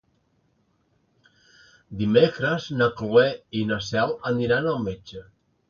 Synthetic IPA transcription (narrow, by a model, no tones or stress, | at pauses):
d̪imekɾəznaklueinasɛləniɾanəlˠmed͡ʒə